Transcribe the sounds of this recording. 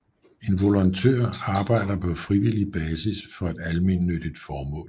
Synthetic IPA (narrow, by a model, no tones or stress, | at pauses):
e̝nʋo̝lɐnt͡sʰø̰ɐ̰ɑ̈ːb̥ɑ̈ɪ̰d̥ɐpʰɒ̽fʁiʋilib̥ɛːsisfɒ̽ed̥ælme̝nːød̥id̥fɒːmɔ̰̽ːl